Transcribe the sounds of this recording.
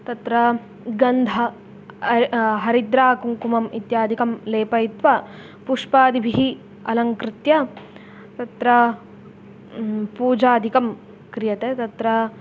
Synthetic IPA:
t̪ɐt̪ɾɐ | ɡɐnd̪ʱɐ | ɦɐɾid̪ɾaːkuŋkumɐmit̪jaːd̪ʱikɐmleːpɐjit̪ʋɐ | puʂpaːd̪ibʱiɦi | ɐlɐŋkɾɪt̪jɐ | t̪ɐt̪ɾɐ | puːd͡ʒaːd̪ʱikɐm | kɾijɐt̪et̪ɐt̪ɾɐ

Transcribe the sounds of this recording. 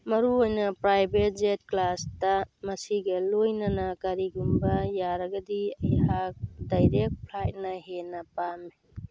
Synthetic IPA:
mɐɾuojnɐpɾajbet̚zet̚klastɐmɐsiɡɐlojnɐnɐkaɾiɡumbɐjaɾɐɡɐdiɐjhak̚dajɾek̚t̚pʰlajt̚nɐɦenɐpami

